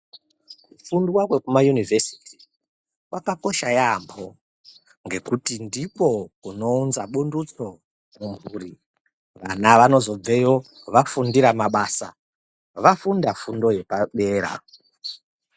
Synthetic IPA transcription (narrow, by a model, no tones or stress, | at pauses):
kufundwakwe̞kumajunivesi̥ti̥ | wakako̞ʃajambo̞ | ŋɡe̞kutindipo̞kuno̞unzaɓundut͡so̞ | muɱvuːri | ʋanaʋano̞zo̞b͡vejo | ʋafundiɾamaɓaːsa̰ | ʋafundafundo̞je̞paɓe̞ːɾa̰